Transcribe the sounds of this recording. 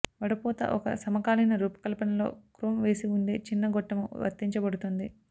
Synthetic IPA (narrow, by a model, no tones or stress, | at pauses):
ʋɐɽɐpɔːt̪ɐ̰ʔɔkɐ̰sɐmɐkaːlɐjnɐɾuːpɐ̥kɐlpɐnɐlo̞̰ːkɾuːmʋe̞ːsiuɳɖeːt͡ʃinːɐɡɔʈːɐmuʋɐ̰t̪ːiɲt͡ʃɐbɐɽut̪und̪i